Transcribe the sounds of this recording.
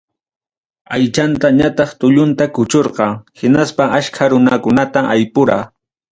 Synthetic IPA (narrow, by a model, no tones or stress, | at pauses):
ajt͡ʃant̪aɲat̪ɑχt̪ʊʎʊnt̪akʊt͡ʃoɾqɑŋhɪnaspaʔaʃkʰaɾʊnakʊnat̪aʔajpʊɾaː